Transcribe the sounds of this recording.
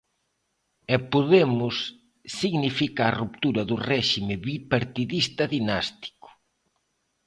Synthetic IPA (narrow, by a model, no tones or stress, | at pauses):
ɛpoðemʊsː | iɣnifikaːrupt̪uɾɐðʊrɛʃimɪβipaɾt̪iðist̪ɐðinast̪i̥kʊ̥